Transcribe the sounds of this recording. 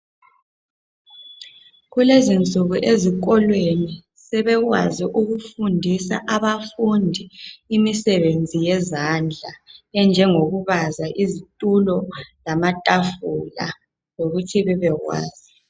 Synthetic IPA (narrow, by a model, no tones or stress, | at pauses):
ɣulezind͡zʼʱuɣuʔezik̬ɔlweni | sɛβɛɣwa̰ziʔuɣufundʱisa̰ʔaβafundʱiimisɛβend͡zʱijɛzand͡ɮʱaɛnd͡ʒʱɛŋoɣuβazaʔizitʼulɔlamatʼafula̰ | zoɣutʰiβɛβɛɣwa̰ːz̥i